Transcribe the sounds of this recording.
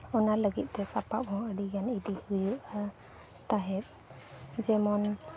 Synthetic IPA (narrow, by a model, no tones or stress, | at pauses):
ɔnaləɡit̪̚t̪ɛsapaphɔ̃əɖiɡanid̪ihujuʔa | t̪aɦɛp̚ | d͡ʒɛmɔn